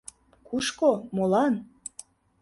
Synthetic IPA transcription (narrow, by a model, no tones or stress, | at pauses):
kuʃkomolɑn